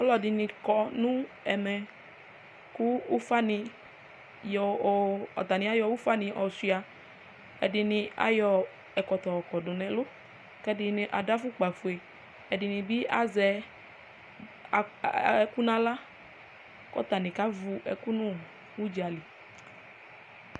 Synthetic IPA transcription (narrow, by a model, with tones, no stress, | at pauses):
ɔ˦lɔ˨dɪ˨nĩ˧kɔ˨nũ˦ | ɛ˨mɛ˨ | ku˦u˦fa˦nĩ˧ | jɔ˨ɔ̰˨t̪a˨nĩ˨a˦jɔ˧wu˦fa˦nĩ˧ʔɔ˨si˦a˨ | ɛ˨dɪ˧nɪ̃˧a̰˨jɔ˧ | ɛ˨kɔ˨t̪ɔ˨ɔ˨kɔ˨dʊ˨nɛ̃˨lʊ˦ | kɛ˦dɪ˧nĩ˨˦ʔa˨da˦fʊ˦k͡pa˨fu˨e˨ | ɛ˨dɪ˨nĩ˨bi˦ʔa˦zɛ˨ | ɛ˦ku˦nã˦la˦ | kɔ̰˦t̪a˨nĩ˨ka˦vu˧ʔɛ̰˨ku˦nũ˦ | wu˦d͡ʒi˨a˨li˨